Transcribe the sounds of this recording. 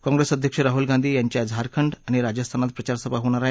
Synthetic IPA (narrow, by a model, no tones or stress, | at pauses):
kɔ̃ŋɡɾesəd̪ʱjəkʂəɾaɦulɡãnd̪ʱiːjaɲt͡ɕjad͡zʱaɾkʰəɳɖaɽ̃iɾad͡ʑəst̪ʰanat̪̚pɾət͡ɕaɾsəpaɦoɽ̃aɾa